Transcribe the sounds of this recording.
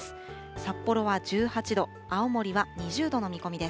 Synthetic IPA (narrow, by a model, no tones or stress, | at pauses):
sapːo̞ɾo̞βaʑɨːhat͡ɕid̪o̞ | aomo̞ɾʲiβaɲ̟iʑɨːd̪o̞no̞mʲiko̞mʲid̪e̞s